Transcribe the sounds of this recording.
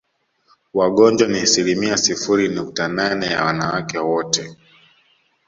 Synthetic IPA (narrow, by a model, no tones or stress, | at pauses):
waɠɔnd͡ʒwaniasilimiasifuɾinuk̚tananɛja̰wanawakɛwɔtɛ